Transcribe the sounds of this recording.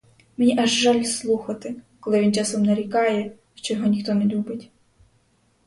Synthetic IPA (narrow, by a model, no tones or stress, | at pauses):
menʲiʔɐʒːɑlʲslˠuxɐt̪ɪkɔlˠɪʋʲint͡ʃɑsɔmnɐɾʲikɑjɛ | ʃt͡ʃɔjɔɦɔnʲixt̪ɔnɛlʲubɪtʲ